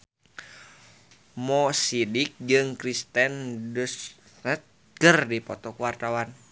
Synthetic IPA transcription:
mɔsidik̚d͡ʒɨŋkɾist̪ɛndus | nət̪̚ | kərdipɔt̪ɔkuwart̪awan

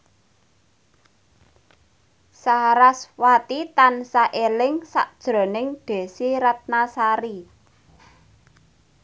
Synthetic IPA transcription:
saɾaswat̪it̪ansaʔelɪŋsa̰ʔd̥ʒ̥ɾɔ̤nɪŋɖ̪̥e̤siɾat̪̚nasaɾi

